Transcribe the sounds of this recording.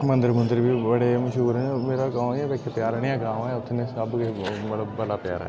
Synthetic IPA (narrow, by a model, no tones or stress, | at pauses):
mə̃nd̪əɾmənd̪əɾbiːbəɽeːməʃɦuːɾnmeːɾaːɡãːɛ̃ːbɛːkʰepjaːɾɽijãːɡãːmɛːʊt̪ʰːnẽːsəbkemələbːəlaːpɪja̰ːɾɛ̰ː